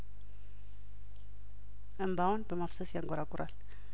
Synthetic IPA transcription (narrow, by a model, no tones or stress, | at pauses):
əmbawɔnbɛmafsəsjaŋɡɔɾakuɾal